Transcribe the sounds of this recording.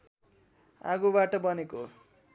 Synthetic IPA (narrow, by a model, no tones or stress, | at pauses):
a̰ɡubaʈʌbʌneko